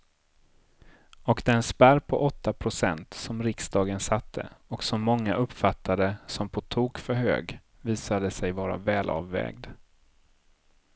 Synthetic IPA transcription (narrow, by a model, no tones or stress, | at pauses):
ɔkd̪ɛnspæɾpʰɔ̰ʔɔt̪ʰːapʰɾʊsɛnt̪sɔmɾɪksd̪ɑːɡənsat̪ʰːə̰ɔksɔmːɔŋːaʔɵpːfat̪ʰːad̪əsɔmpʰɔt̪ʰuːkfœɾɦø̰ːɡ | viːsad̪əsɛjvɑːɾa̰vɛːlʔɑ̰ːvːɛ̰ːɡd̪